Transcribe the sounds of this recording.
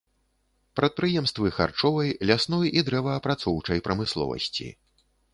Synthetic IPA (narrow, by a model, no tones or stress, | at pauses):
pɾɐt̪̚pɾɨjɛmst̪vɨxa̰rt͡ʂɔvɐjlʲasnɔjid̪ɾɛvɐːpɾat̪sɔwt͡ʂɐjpɾɐmɨslˠɔ̰vɐ̰sʲt͡sʲḭ